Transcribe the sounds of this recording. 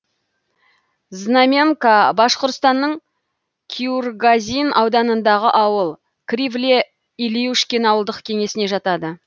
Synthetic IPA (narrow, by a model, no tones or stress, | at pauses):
znamʲemkabɑʃqoɾt̪st̪ɑnːəɴ | kʲʰiurɡazʲinɑwd̪ɑnənd̪ɑʁəʔɑwəlˠ | krʲivlʲe | iliuʃkʲenɑwəlˠd̪əqkʲʰe̞ŋe̞sɪne̞ʒɑt̪ɑd̪ə